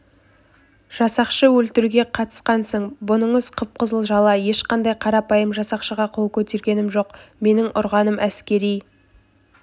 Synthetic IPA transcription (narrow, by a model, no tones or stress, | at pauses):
ʒ̥ɑsɑqʃəwɵlt̪ɪɾuɡʲe̞qʰɑt̪ə̥sqɑnsəɴbʊnəɴəzqʰəp̚qəzəlˠʒɑlˠɑje̞ʃqɑnd̪ɑjqʰɑɾɑpɑjəmʒɑsɑqʃəʁɑqʰo̞lˠkʲʰɵt̪e̞ɾɡʲe̞nɪmʒo̞qme̞nɪŋʔʊ̰ɾʁɑnəmʔæskʲe̞ɾij